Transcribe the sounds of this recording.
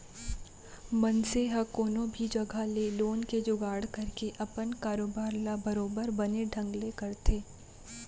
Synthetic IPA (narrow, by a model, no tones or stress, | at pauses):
mɐnseɦɐkoːnõbʱid͡ʒɐɡʱaleloːnked͡ʒʊɡaːɽkɐɾkeʔɐpənkaːɾoːbaːɾlabɐɾoːbəɾbɐneɖʱɐ̃ŋɡlekɐɾt̪ʰeː